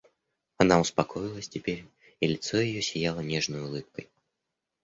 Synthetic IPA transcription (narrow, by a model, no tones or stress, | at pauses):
ɐnaʊspɐkʰo̞jɪlˠəsʲtʲɪpʲeɾʲ | ilʲɪt̪sojɪjosʲɪjalˠənʲeʐnəjʊlˠɨp̚kəj